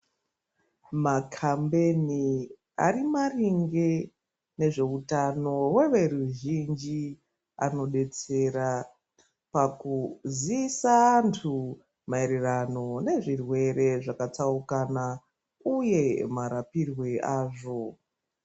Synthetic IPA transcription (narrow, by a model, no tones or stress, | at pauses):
makʰambeni | a̰rimariŋɡe | ne̞ʐe̞utano̞we̞ʋe̞ɾuʒind͡ʒi | a̰no̞ɗe̞t͡se̞ɾa | pakuziːsaːntʰu | maeɾerano̞ne̞ʐirwe̞ɾe̞ʐakat͡saukana | uje̞maɾapirwe̞ʔaːʐo̞